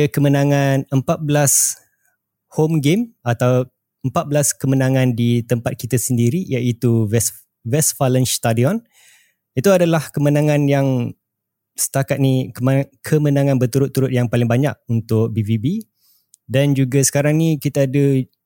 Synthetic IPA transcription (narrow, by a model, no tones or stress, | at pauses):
əkəmənãŋanəmpat̪̚bəlas | homɡemat̪aw | əmpat̪̚blaskəmənãŋãndit̪əmpat̪̚kit̪asəndiɾijaʔit̪uvɛs | vɛsfalənst̪adiɔn | it̪uadalahkəmənãŋãnjaŋ | sə̥t̪akat̪̚nikəkʰəmənãŋãnbət̪uɾʊt̪ːuɾʊt̪̚jaŋpalɪŋbaɲa̰k̚unt̪ʊk̚bivibi | dand͡ʒuɡasə̥kaɾaŋnikit̪aːdə